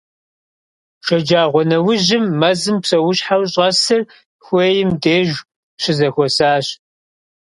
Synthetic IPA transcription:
ʃɐd͡ʒaːʁʷɔnɐwʊʑɪmːɐzɨmpsɐwʊɕħawɕʼɐsɨr | xʷeːjɪmdeːʒ | ɕɪzɐxʷɔsaːɕ

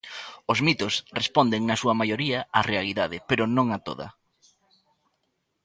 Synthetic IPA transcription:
ozmit̪osrespond̪eŋnɐsuɐmajoɾiɐarealiðaðɪpeɾʊnõŋat̪o̰ð̞ɐ̰

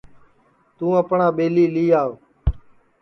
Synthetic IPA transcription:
t̪ũːəpɳaːɓeːliːliːaːoː

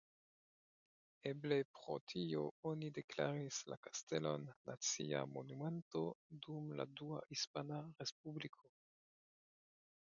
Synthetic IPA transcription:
eblepʁo̞̰tʰioonideklaɾisla̰kastelo̞nːat͡sḭa̰mo̞nume̞nto̞dumla̰dua̰hispanaʁesp̚ublikʰo

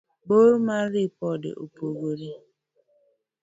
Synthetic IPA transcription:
ɡ͡boɾmaɾipɔdɪ̰ʔo̰poɡoɾi

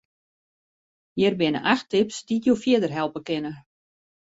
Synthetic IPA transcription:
jɛrbɪnə̰ʔaxtɪpsditjowfjɪədərɦɛlˠpəkɪnə

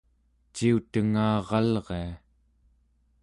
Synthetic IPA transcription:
t͡ʃiut̪əŋaːʁɑlʁea

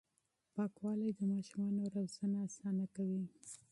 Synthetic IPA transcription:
pɑkwɑlajd̪əmɑʃumɑnoɾawz̥anaːsɑnakawi

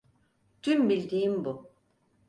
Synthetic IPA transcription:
t̪ʰymbilʲd̪iːimbu

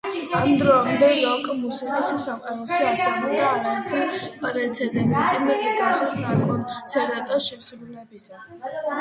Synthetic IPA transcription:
amd̪ɾɔamd̪ɛjɔkʼmusikʼisisamqʼaɾɔsast̪ʼanɔd̪aːɾat̪ʰʼipʼɾɛt̪sʰɛd̪ɛbit̪ʼɛmɛsiɡasɛsakʰʼɔnt̪sʰɛɾat̪ʼaʃɛsɾulɛbisa

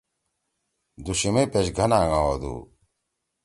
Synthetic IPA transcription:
d̪uɕimepeɕɡʱɐnaːŋãod̪ṵː

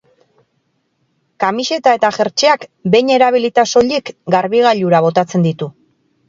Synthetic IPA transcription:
kamiʃe̞t̪ae̞t̪aʝe̞ɾt͡ʃe̞akbe̞jɲe̞ɾaβ̞ilit̪aso̞ʎekɡaɾβiɣ̞aʎuɾaβ̞o̞t̪at͡se̞nd̪it̪u

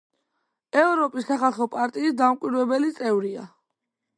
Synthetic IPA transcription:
ɛvɾɔpʼisːaχalˠχɔpʼaɾt̪ʼiːsd̪amkʼwiɾwɛbɛlit̪sʼɛvɾia̰

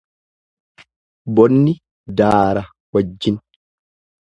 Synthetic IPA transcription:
bɔnːɪ | d̪aːɾɐ | wɐd͡ʒːɪn

